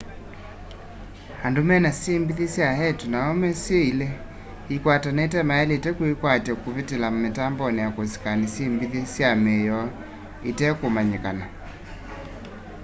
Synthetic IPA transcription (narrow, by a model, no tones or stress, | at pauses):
handomɛnasimbiðisjahɛtunaɔmɛseilɛ | ikwatanaitɛmaɛlɛtɛkuikwatɛkuβitelametambɔnɛjakosi̥kanisimbiðisjamɛjɔ | itɛkomaɲekana